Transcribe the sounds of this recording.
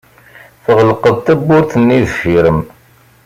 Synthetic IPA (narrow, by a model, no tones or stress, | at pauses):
θəʁləqəðt̪æbːʊɾθənːiðfiɾəm